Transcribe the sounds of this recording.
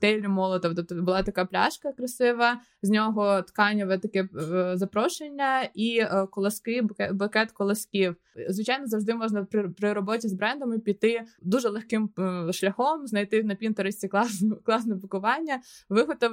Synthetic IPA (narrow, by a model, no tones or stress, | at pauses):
t̪ɛlʲːʊmɔlˠɔt̪ɔʋt̪ɔp̚t̪ɔbʊlˠɑt̪ɐkɑplʲa̰ʃkɐkɾɐsɪʋɐ | zʲnʲɔɦɔt̪kɑnʲɐʋɛt̪ɐkɛzɐpɾɔʃenʲːɐikɔlˠɐskɪkɛbɐkɛt̪kɔlˠɐsʲkʲiw | zʋɪt͡ʃajnɔzɐwʒd̪ɪmɔʒnɐpɾɪpɾɪɾɔbɔtʲizbɾɛnd̪ɔmipʲit̪ɪd̪uʒɛlˠexkɪmʃlʲɐxɔmznɐjt̪ɪnɐpʲint̪ɔɾɪsʲtʲiklˠɑsnklˠɑsnɛbʊkʊʋɑnʲːɐʋɪɦɔt̪ɔ